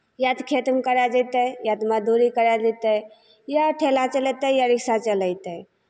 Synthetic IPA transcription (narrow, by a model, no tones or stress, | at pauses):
jat̪kʰet̪mkəɾad͡ʒət̪əjad̪məd̪ʱuɾikəɾad͡ʒɛt̪ə | jaʈʰelat͡ʃəlɛt̪əjaɾiksat͡ʃələjt̪ə